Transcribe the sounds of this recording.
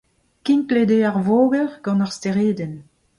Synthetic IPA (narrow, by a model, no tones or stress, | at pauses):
kĩnkledeaʁvoːɡəʁɡ̥ɑ̃naʁsteʁeːdən